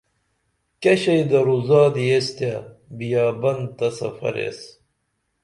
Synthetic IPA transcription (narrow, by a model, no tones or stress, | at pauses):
kɐɕɐjd̪ɐɾuzaːd̪ijest̪jabijaːbɐnt̪ɐsɐ̰fɐ̰ɾḛs